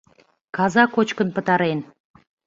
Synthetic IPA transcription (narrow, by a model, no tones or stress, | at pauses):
kɑzɑkot͡ɕkə̆npə̆t̪ɑɾen